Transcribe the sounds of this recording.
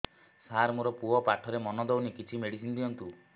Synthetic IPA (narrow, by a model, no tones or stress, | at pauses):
saɾmuɾɔpuɔpaʈʰɔɾemɔnɔd̪ewnikit͡ʃʰimeɽisind̪iɔnt̪u